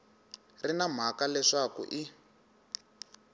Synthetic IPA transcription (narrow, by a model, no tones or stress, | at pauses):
rinam̤akalɛʂakṵʔi